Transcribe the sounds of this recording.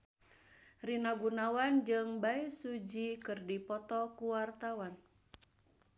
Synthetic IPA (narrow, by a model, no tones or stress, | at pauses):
rinaɡunawand͡ʒɨŋbaisud͡ʒikɨrdipɔt̪ɔkuwart̪awan